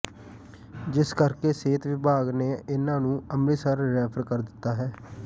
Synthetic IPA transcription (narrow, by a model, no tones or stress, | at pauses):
d͡ʒɪskəɾkeːseːt̪ʋɪbʱaːɡneːɪnãːnũːəmliːsəɾːɛːpʰəɾkəɾd̪ɪt̪ːaːɦɛː